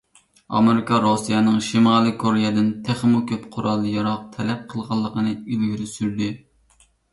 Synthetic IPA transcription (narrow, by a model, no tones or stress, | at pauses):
ɑ̰meɾikʰɑɾosijɛnɨŋʃimɑlˠɨkʰoɾijɛd̪ɪnt̪ʰæχmukʲʰøpqʰʊɾɑlˠjɑɾɑq̚t̪ʰɛlɛp̚qʰəlˠʁɑlˠːəqʰənɨilɡʲyɾysyɾd̪ɪ